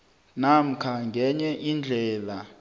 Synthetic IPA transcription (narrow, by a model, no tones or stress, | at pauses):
nam̩kʰaŋɡʱɛɲɛʔind͡ɮʱɛːla